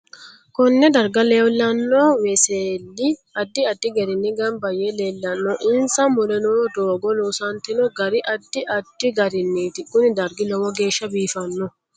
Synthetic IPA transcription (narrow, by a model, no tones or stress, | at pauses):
kɔnːɛd̪ɐɾɡɐleːwlːɐnːoːwɛseːlːɪɐd̪ːɪɐd̪ːɪɡɛɾɪnːɪɡɐmbɐjeleːlːɐnːoːʔɪnsɐmʊɾɛnoːd̪oːɡɔluːsɐnt̪ɪnɔɡɐɾɪʔɐd̪ːɪʔɐd̪̥ːɪɡɐɾɪnːiːt̪ɪkʼːʊnɪd̪ɐɾɡɪlɔwɔɡe̞ːʃːɐbiːfɐnːɔ